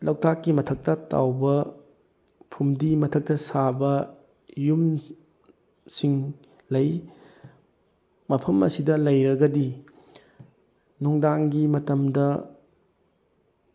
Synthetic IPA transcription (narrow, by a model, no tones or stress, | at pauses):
lɐwtakːimɐtʰɐk̚tɐta̰wbɐ | pʰumdimɐtʰɐk̚tɐsabɐ | jum | siŋ | lɐj | mɐpʰɐmɐ̰sidɐlɐjɾɐɡɐdi | nuŋdaŋɡimɐtɐmdɐ